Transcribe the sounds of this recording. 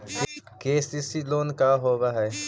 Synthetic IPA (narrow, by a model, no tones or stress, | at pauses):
keːsisiloːnkaːɦoːʋaɦɛː